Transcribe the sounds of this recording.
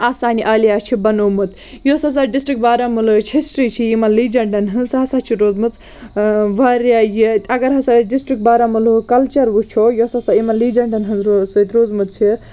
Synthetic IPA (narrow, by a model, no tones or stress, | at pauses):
aːsaːniʔaːlijaːt͡ʃʰibɐnoːmɨt̪ | josas̬aɖisʈɾik̚ʈ̚baːɾamɨlut͡ʃʰisʈɾit͡ʃʰijimɐnlid͡ʒɐɳɖɐnɦɨnsɦɐsat͡ʃʰiɾoːd͡zmɨt͡s | ʋɐɾajit̪ʲɐɡɐɾɦɐsaɖisʈɾik̚ʈ̚baːɾamulukɐlt͡ʃɐɾʋut͡ʃʰojosasaimɐnliːd͡ʒɐɳɖɐnɦɨnzosɨt̪ɾoːzmɨt̪̚t͡ʃʰi